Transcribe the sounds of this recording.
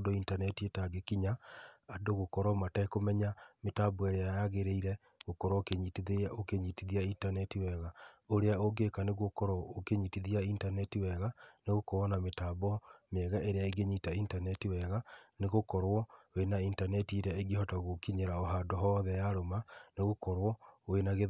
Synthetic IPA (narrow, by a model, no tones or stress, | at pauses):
dointanɛtietaɡekiɲaadoɣokɔɾɔmataekomɛɲametabɔeɾeajaɣeɾeiɾɛ | ɣokɔɾɔkeɲitiokeɲitiðiaintanɛtiwɛɣaoɾeaoɡekaneɣokɔɾɔokeɲitiðiaintanɛtiwɛɣaneɣokoɔnametabɔmɛɣaʔeɾeaiɡeɲitaintanɛtiwɛɣaneɣokɔɾwɔwenaintanɛtieɾeaeɡehɔtaɣokiɲeɾaoɦadoɦɔðɛjaɾomaneɣokɔɾwɔwenaɣe